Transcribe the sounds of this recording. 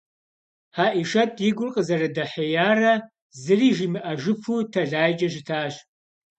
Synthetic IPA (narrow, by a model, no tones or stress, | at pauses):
ħaːʔiʂɐtʰjɪɡʷʊrqʼəzɐrɐdɐħejaːrɐ | zɨriːʒimɨʔɐʒɨpʰuːtʰɐɮaːjd͡ʒʼɐʒɪtʰaːɕ